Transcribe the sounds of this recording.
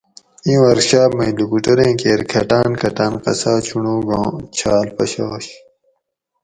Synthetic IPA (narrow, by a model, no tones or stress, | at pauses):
ĩwɐɾɕaːbmɐ̃ilukuʈoɾẽːkeːɾkʰɐʈaːnkʰɐʈaːnqɐ̰saːt͡ɕʰuɳõːɡõːt͡ɕʰaːlpɐɕaːɕ